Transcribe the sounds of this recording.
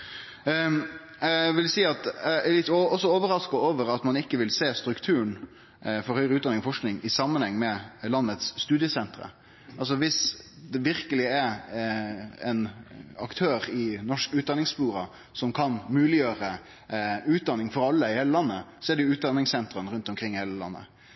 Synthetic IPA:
æʋɪlsiːɑt̪æælɪt̪ːɔsːɔoːʋəɾɑskɑoːʋəɾɑt̪mɑnɪkːəʋɪlseːst̪ɾʉkt̪ʰʉːən | fɔɾhœʏɾəʉːt̪d̪ɑnɪŋɔfɔʂknɪŋɪsɑmːənhɛŋːmɛlɑnːət̪sːt̪ʉːd̪ɪəsɛnt̪ɾə̰ | ɑls̬ɔʋɪs | d̪ɛʋɪɾkəlɪɛɾ | ɛ̰nɑkt̪ʰøːɾɪnɔʂkʉːt̪̚d̪ɑnːɪŋspuːɾɑ | sɔmkʰɑnmʉːlɪjøːɾə | ʉːt̪̚d̪ɑnːɪŋfɔɾɑlːəɪheːləlɑnːəsɔɛɖɛjʊʉːt̪̚d̪ɑnːɪŋsɛnt̪ɾənɾʉnt̪ɔmkʰɾɪŋːheːləlɑ̰nːə̰

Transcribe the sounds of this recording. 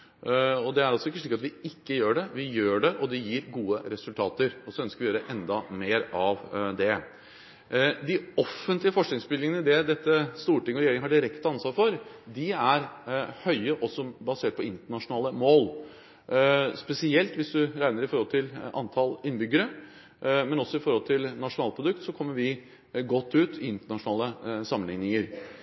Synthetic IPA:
ɔd̪ɛæɾɑlsɔɪkːəʂɭiːkɑt̪ʋɪɪkːəjøːɖɛʋɪjøːɖɛʔɔd̪ɛjiːɾɡuːəɾɛsʉlt̪ʰɑːt̪əɾɔsɔœnskəɾʋɪjøːɾɛʔɛnd̪ɑmeːɾɑʋd̪ɛ | d̪ɪɔfːənt̪lɪəfɔʂknɪŋsbʏlːɪŋənəd̪ɛd̪ɛt̪ːəst̪uːʈɪŋəɔɾɛjeːɾɪŋəhɑɖɪɾɛkt̪əɑnsʋɑːɾfɔɾd̪ɪæɾhœʏəʔɔsɔbɑseːʈ̚pʰɔɪnt̪əɳɑʂʊnɑːləmoːl | spɛsɪɛlt̪ʋɪsd̪ʉɾæɪnəɾɪfɔɾhɔlt̪ʰɪlɑ̰nt̪ʰɑlɪnːbʏɡəɾə | mɛnɔsːɔɪfɔɾhɔlt̪ʰɪlnɑʂʊnɑːlpʰɾʊd̪ʉk̚t̪sɔkʰɔmːəɾʋɪ | ɡɔt̪ːʉːt̪ʰɪɪnt̪əɳɑʂnɑːləsɑmːənɪ̰ŋnɪŋəɾ

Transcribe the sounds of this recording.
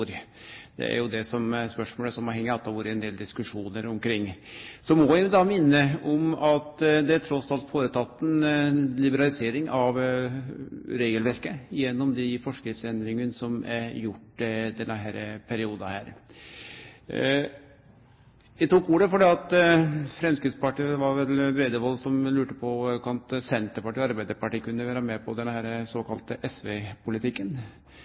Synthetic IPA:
ɾ | d̪ɛ̰æ̰ɾjʊd̪ɛsɔmspœʂmoːləsɔmɑhɛŋːəɑt̪d̪ɑʋɑːɾəɛnd̪eːld̪ɪskʉʂuːnəɾɔmkʰɾɪŋːsɔmɔʋɪd̪ɑmɪnːəɔmɑt̪d̪ɛæʈ̪ʰɾɔsɑlt̪foːɾət̪ʰɑt̪ːn̩lɪbəɾɑlɪseːɾɪŋʔɑʋ | ɾeːɡəlʋæɾkəjɛnːɔmd̪ɪfɔʂkɾɪft̪sɛnd̪ɾɪŋənsɔmæɾjʊʈːd̪ɛnːəɦæːɾəpʰæɾɪuːd̪ɑhæːɾ | ʋɪt̪uːkuːɾəfɔɖɛːɑt̪fɾɛmskɾɪt̪spɑʈiːʋɑɾʋɛlbɾeːd̪əʋɔlsɔmlʉːʈəpʰɔkʰɑnt̪sɛnt̪əɾpɑʈiːɔɑɾbæɪd̪əɾpɑʈiːkʉnːəʋæːɾɑmɛpʰɔd̪ɛnhæːɾəsoːkʰɑlt̪əʔɛsʋepʰʊlɪt̪ʰɪkːən

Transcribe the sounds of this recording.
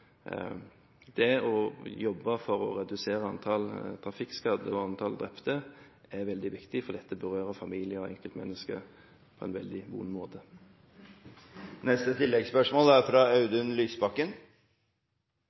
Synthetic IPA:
d̪̥ɛɔjɔbːəfɔɾɔ̰ɾɛd̪ʉseːɾəɑnt̪ʰɑlt̪ʰɾɑfɪkskɑd̪əɔɑnt̪ʰɑld̪ɾɛpt̪əɛɾʋɛld̪ɪʋɪkt̪ɪfɔd̪ɛt̪ːəbəʁøːɾəfɑmiːlɪəɔɛ̰ŋkəlt̪mɛ̰nːəskə̰ | pʰɔɛ̰nʋɛ̰ld̪ɪʋṵnmoːt̪ʰə | nɛst̪ət̪ʰɪlːɛɡspœʂmoːlæɾfɾɑːɑʉd̪ʉnlyːsbɑkːən

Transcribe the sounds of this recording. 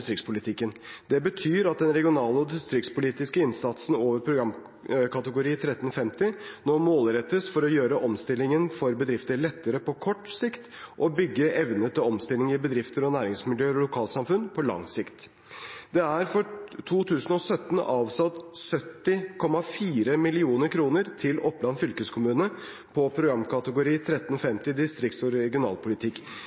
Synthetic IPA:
st̪ɾɪktspʰʊlɪt̪ʰɪkːənd̪ɛbət̪ʰyːɾɑt̪̚d̪ɛnɾɛɡɪʊnɑːləɔd̪ɪst̪ɾɪk̪spʊliːt̪ɪskəɪnsɑt̪sn̩oːʋəɾpʰɾʊɡɾɑm | kʰɑt̪əɡʊɾiːt̪ʰɾɛt̪ːənfɛmt̪ɪnɔmoːlɾɛt̪ːəsfɔɾɔjøːɾəʔɔmst̪ɪlːɪŋənfɔɾbəd̪ɾɪft̪əɭɛt̪ːəɾəpɔkʰɔʈːsɪkt̪ʔɔbʏɡːəʔɛʋnət̪ʰɪlɔmst̪ɪlɪŋəɪbəd̪ɾɪft̪əɾɔnæːɾɪŋsmɪljøːɾɔlʊkʰɑːlt̪sɑmfʉnpʰɔlɑ̰ŋsɪkt̪ | d̪ɛæɾfɔt̪ʰuːt̪ʰʉːsənɔsœt̪n̩ɑːʋsɑt̪sœt̪ːɪkʰɔmɑfiːɾəmɪlɪuːnəɾkʰɾuːnəɾt̪ʰɪlɔpːlɑnfʏlkəskʰʊmʉːnə | pʰɔpʰɾʊɡɾɑmkʰɑt̪əɡʊɾiːt̪ʰɾɛt̪ːnɔfɛmt̪ɪd̪ɪst̪ɾɪkt̪sɔɾɛɡɪʊnɑ̰ːlpʰʊlɪt̪ʰɪkː

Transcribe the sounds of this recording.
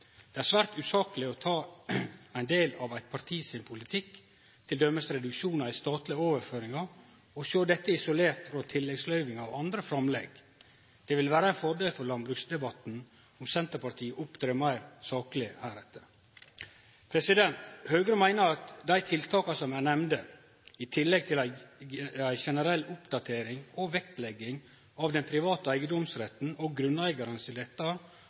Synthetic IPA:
d̪̥ɛæɾsʋæːɾt̪ʉːsɑːkəlɪɔt̪ʰɑː | æɪnd̪eːlɑʋæɪt̪pʰɑɾt̪ʰiːsɪnpʰʊlɪt̪ʰɪk | t̪ʰɪld̪œmːəsɾɛd̪ʉkʃuːnɑɾɪst̪ɑːt̪lɪoːʋəɾføːɾɪŋɑ | ɔʃøːd̪ɛt̪ːəɪsʊleːɾt̪fɾɑt̪ʰɪlːɛɡslœʏʋɪŋɑʋɑnd̪ɾəfɾɑmlɛ̰ɡ | d̪̥ɛʋɪlʋæːɾəæɪnfɔɖeːlfɔɾlɑnbɾʉːksd̪ɛbɑt̪n̩ | ʊmsɛnt̪əpɑɾt̪ʰiːəʔʊpd̪ɾeːmæɪɾsɑːklɪæːɾɛt̪ːə̥ | pʰɾɛsɪd̪ɛnt̪høːɡɾəmæɪnəɾɑt̪d̪æɪt̪ʰɪlt̪ʰɑːkɑsɔmænɛmnd̪ə | ɪt̪ʰɪlːɛɡ̚t̪ʰɪlæɪ | æɪʃɛnəɾɛlːʊpd̪ɑt̪ʰeːɾɪŋɔʋɛk̚t̪lɛɡːɪŋ | ɑʋd̪ɛnpʰɾɪʋɑːt̪əæɪɡəd̪ɔmsɾɛt̪n̩ɔɡɾʉnæɪɡɑɾənt̪ʰɪld̪ɛt̪ːɑ

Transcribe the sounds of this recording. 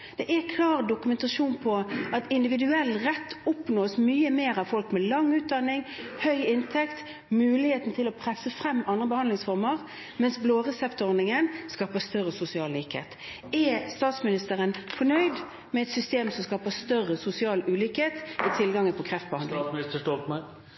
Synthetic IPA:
d̪̥ɛʔɛkʰlɑːʁd̪ʊkʉmɛnt̪ɑʃuːnpʰɔʔɑt̪ɪnd̪ɪʋɪd̪ʉɛlːʁɛt̪ʰːɔpnoːsmyːəmeːɾɑʋfɔlkmɛlɑŋːʉːt̪̚d̪ɑnːɪŋhœʏɪnt̪ʰɛkt̪ | mʉːlɪheːt̪n̩t̪ʰɪlɔpʰʁɛsːəfɾɛmːɑnd̪ʁəbəhɑnd̪lɪŋsfɔʁməʁ | mɛnsbloːʁɛsɛpt̪ɔɾnɪŋənskɑːpəst̪œʁəsʊsɪɑːlliːkhḛːt̪ | ɛst̪ɑːt̪smɪnɪst̪əʁənfɔɳœʏd̪ | mɛɛt̪sʏst̪eːmsɔmskɑːpəst̪œrəsʊsɪɑːlʉːliːkheːt̪ɪt̪ʰɪlɡɑŋːəpʰɔkʰʁɛft̪̚bəhɑnd̪ɪst̪əʂɔkmɑ

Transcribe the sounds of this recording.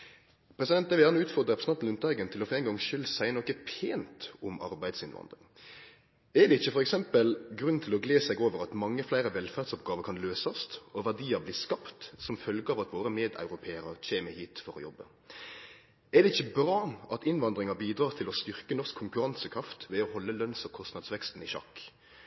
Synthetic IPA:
pʰɾɛsɪdɛnt̪ɛʋɪjæʁnəʉːt̪fɔʁd̪əɾɛpɾəsɑnn̩ʉnæɡənt̪ʰɪlɔfɔɾɛːŋɡɑŋʃʏlsæɪnɔkəpʰeːnt̪ʊmɑ̰ɾbæɪd̪sɪnʋɑ̰nd̪ʁɪ̰ŋ | ɛd̪ɛɪçːəfɔɾɛksɛmpəlɡɾʉnt̪ʰɪlɔɡleːsɛɡoːʋəɾɑt̪mɑŋːəflæɪɾəʋɛlfæːd̪sʊpɡɑːʋəkʰɑnløːsɑst̪ɔʋæd̪iːəbliːskɑpt̪sɔmfœlɡəɑʋɑt̪ʋoːɾəmeːd̪ɑ̰ʉɾʊpʰeːəɾəc͡çʰeːməhiːt̪fɔɾɔ̰jɔ̰bːə | ɛʁd̪ɛɪçːəbɾɑːʔɑt̪ɪnʋɑnd̪ɾɪŋɑbiːd̪ɾɑːʁt̪ʰɪlɔst̪ʏʁkənɔskʰːʊŋkʉɾɑnsəkʰɾɑft̪ʋɛɔhɔlːəlœnsɔkʰɔst̪nɑd̪sʋɛkst̪n̩ɪɕɑ̰kː

